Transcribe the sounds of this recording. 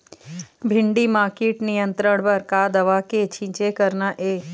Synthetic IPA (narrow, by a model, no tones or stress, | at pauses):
bʱɪɳɖimaːɾkeːʈnijə̃nt̪ɾəɽ̃pɐɾkad̪ɐʋaːket͡ʃʰĩɲt͡ʃekəɾnaʔeː